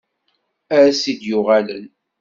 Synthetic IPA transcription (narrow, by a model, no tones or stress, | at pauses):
æɾæsid̪jʊʁælən